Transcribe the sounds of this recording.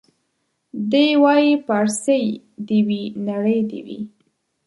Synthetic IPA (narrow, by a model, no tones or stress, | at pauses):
d̪ewɑjipaɾsəj | d̪ewinaɽəjd̪ḛwḭ